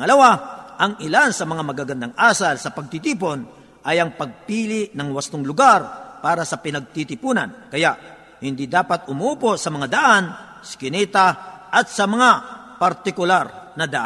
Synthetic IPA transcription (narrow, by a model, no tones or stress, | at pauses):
ɐlɐwaʔɐŋɪlansɐmɐŋamɐɡaɡɐnd̪aŋʔaːsɐlsɐpɐɡ̚t̪it̪iːp̬o̞n | ʔɐjɐŋpɐɡ̚piːlɪʔnɐŋwɐst̪oŋlʊɡaɾpaːɾɐsɐpɪnɐɡ̚t̪it̪ɪpuːnɐ̰nkɐjaʔ | hɪnd̪id̪aːpat̪ʊmuːposɐmɐŋad̪ɐʔan | skɪnɛːt̪aʔɐt̪sɐmɐŋa | pɐɾt̪ɪkʊlaɾnɐd̪ɐʔ